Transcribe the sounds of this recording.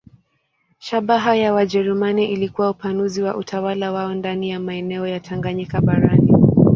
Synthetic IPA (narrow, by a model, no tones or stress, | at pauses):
ʃaɓaɦajawad͡ʒɛɾumaniʔilikuwaupanuziwaʔutʰawalawaɔndanijamaɛnɛɔjatʰaŋɡaɲɛkaɓaɾani